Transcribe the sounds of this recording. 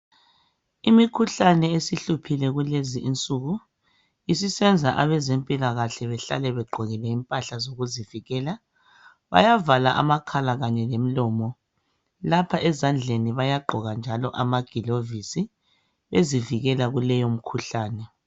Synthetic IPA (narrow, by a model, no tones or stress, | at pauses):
imikʰuɬanɛesiɬupʰilɛɣuleziʔint͡sʼuɣu | isisɛnd͡zʱaʔaβɛzempʼilaɣaɬɛβɛɬa̰lɛβɛɡ͡ǃʱɔɣilɛimpʼaɬazoɣuziviɣɛːla | βa̰javalaʔa̰makʰalaɣaɲɛlem̩lɔːmɔ | lapʰaʔɛzand͡ɮʱeniβajaɡ͡ǃʱɔɣand͡ʒʱalɔʔamaɡ̥ʱilovisi | βeziviɣɛlaɣulɛjom̩kʰuɬaːnɛ